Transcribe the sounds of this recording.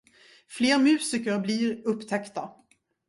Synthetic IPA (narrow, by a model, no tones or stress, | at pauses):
fleːɾmʉ̟ːsɪkəɾbliɾɵpːt̪ʰɛkt̪a